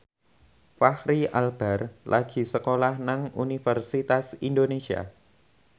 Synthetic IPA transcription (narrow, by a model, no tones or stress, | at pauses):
fahɾialb̥arlʔaɡ̥i̤səkolahnaŋunifərsit̪asindonesia̰